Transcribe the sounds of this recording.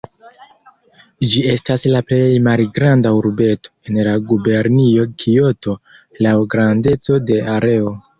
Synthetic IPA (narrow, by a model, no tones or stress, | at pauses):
d͡ʒie̞staslaple̞jmalɡɾandauɾbe̞to̞̥e̞nlaɡube̞ɾnio̞kʰio̞to̞ | lawɡɾande̞t͡so̞de̞aɾe̞o̞